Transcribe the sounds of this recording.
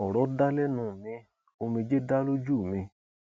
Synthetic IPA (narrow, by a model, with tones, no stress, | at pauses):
ɔ˨ɾɔ˨˦da˦lɛ˦nũ˨mĩ˧ | o˧mĩ˧d͡ʒe˦da˦lo˦d͡ʒu˦˨mĩ˧